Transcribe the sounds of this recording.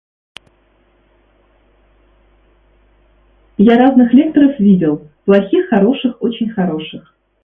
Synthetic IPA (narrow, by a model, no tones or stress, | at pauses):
jaɾaznɨxlʲe̞k̚t̪əɾəfvʲidʲɪlˠ | plˠɐxʲixːɐɾo̞ʂɨxo̞t͡ɕɪnʲxɐɾo̞ʂɨx